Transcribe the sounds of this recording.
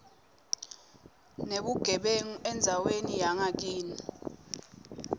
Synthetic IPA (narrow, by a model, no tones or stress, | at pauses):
neɓuɡ̥ʱɛɓeŋuɛnd͡zʱawenijaŋak̬iːni